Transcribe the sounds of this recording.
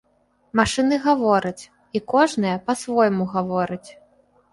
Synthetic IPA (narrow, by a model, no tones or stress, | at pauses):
maʂɨnɨɣavɔɾɐt͡sʲ | ikɔʐnɨjɐpɐsvɔjmuɣavɔɾɨt͡sʲ